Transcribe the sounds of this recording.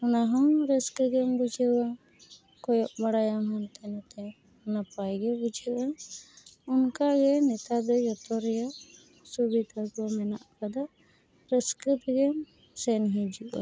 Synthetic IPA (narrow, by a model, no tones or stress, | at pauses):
unaɦɔɾəsk̪ɡɛmbud͡ʒʱɛwa | kɔjɔʔmaɽajamɦɔnt̪ɛnat̪ɛ | unapajɡɛbud͡ʒʱɛʔa | unkaɡɛnɛt̪ad̪ɔjɔt̪ɔɾɛja | subid̪ʱakɔmɛna̰ʔkad̪a | pɾəskɾit̪ɡɛm | sɛnɦid͡ʒiʔwa̰